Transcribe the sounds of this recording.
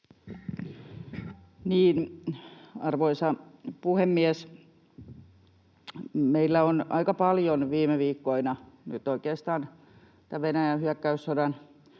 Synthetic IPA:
niːn | ɑrʋoisɑpuhemːiɛs | meilːæonɑ̰ikɑpɑljonʋiːmeʋiːkːoinɑnyt̪oikeːˑst̪ɑːn | t̪æʋenæjænhyækːæysːodɑn

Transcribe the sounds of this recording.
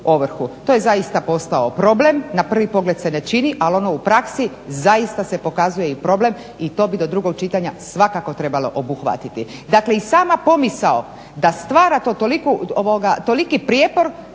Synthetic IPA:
oʋr̩xut̪o̞ːje̞zaist̪apo̞st̪aopɾo̞ble̞mnapr̩ʋipo̞ɡle̞d̪se̞ne̞t͡ʃiniʔalo̞no̞upɾaksi | zaist̪ase̞po̞kazujeipɾo̞ble̞m | it̪o̞ːbid̪o̞d̪ɾuɡo̞ɡ̚t͡ʃit̪aɲasʋakako̞t̪ɾe̞balo̞̰ʔobuxʋa̰t̪it̪id̪akle̞isaːmapo̞misao | d̪ast̪ʋaːɾat̪oːt̪olikuoʋoɡat̪o̞likipɾjepo̞ɾ

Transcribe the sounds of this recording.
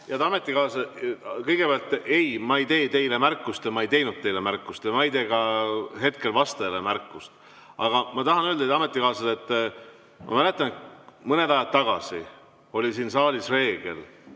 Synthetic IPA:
jɑt̪ɑɑmet̪ːˑikɑːsɑkɤjɡ̥e̞peɑlt̪ːˑe̞jmɑejt̪e̞ːt̪e̞jle̞mærkːˑust̪jɑmɑejt̪e̞jnud̪̥̚t̪ːe̞jlemærkːˑust̪jɑmɑejt̪eːɡɑɦe̞t̪̚ke̞lvɑst̪elemærkːˑust̪ | ɑɡ̥ɑmɑt̪ɑɦɑnøld̪ɑɑme̞t̪ːˑikɑːsɑlet̪ˑː | mʔɑ̰mælet̪ːˑɑnt̪mɤne̞d̪ɑjɑd̪̚t̪ːɑɡ̥ɑsi | o̞lʲisiːnsɑːlʲisre̞ːɡ̥e̞̰l

